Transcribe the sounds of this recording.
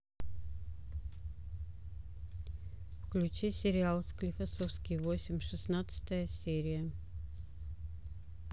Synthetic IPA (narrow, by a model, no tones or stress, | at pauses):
fklʲʉt͡ɕisʲɪɾʲɪalˠsklʲɪfɐsofskʲɪjvosʲɪmʲʂɨsnat̪sɨ̥t̪əjəsʲeɾʲɪjə